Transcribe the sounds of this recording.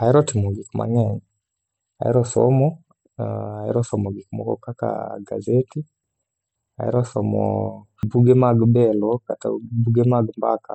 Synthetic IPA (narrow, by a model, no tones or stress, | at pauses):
aiɾɔtimɔɡikuma̰ŋɛŋi | aḭɾɔsɔ̰mɔ | aḭɾɔsɔmɔɡikumɔ̰kɔ̰kaka̰ɡa̰zɛti | a̰ḭɾɔsɔmɔ̰ | buɡɛmaɡubɛlɔkatabuɡɛmaɡumbaka